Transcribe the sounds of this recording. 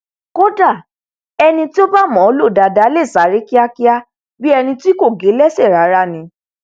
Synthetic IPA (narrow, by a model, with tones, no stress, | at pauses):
ko˦da˦˨ | ɛ˧nĩ˧ti˦o˦ba˦mɔ̃˨˦o˨˦lo˦˨da˨da˨˦le˦˨sa˨˦ɾi˦ki˦a˧ki˦a˦ | bi˦ɛ˧nĩ˧ti˦ko˦˨ɡe˨˦lɛ˦se˦˨ɾa˨˦ɾa˧˦nĩ˧˦